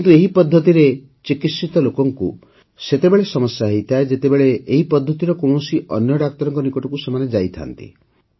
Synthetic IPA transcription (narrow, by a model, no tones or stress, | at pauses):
kint̪ueɦipɔd̪ʱːɔt̪iɾe | t͡ʃikit̪sit̪ɔlokɔŋkṵ | set̪ebeɭesɔmɔsjaɦejt̪ʰaed͡ʒet̪ebeɭeːɦipɔd̪ʱːɔt̪iɾɔkõusiʔɔ̰njɔɖak̚t̪ɔɾɔŋkɔnikɔʈɔkusemaned͡ʒajt̪ʰa̰nt̪ḭ